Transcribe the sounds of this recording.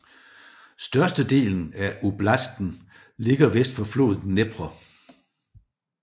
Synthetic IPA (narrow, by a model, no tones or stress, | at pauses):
sd̥ɶɐsd̥əd̥e̝̰ːln̩æʔub̥læsd̥n̩ | le̝ɡ̥ɐʋesd̥fɒ̽flo̝̰ːð̩ˠneb̥ʁɐ